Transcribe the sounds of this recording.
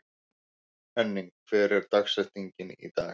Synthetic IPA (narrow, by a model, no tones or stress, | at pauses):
ɛnːiŋkʰfɛːɾɪɾ̥t̪aksɛ̥t̪iɲcɪnḭt̪aː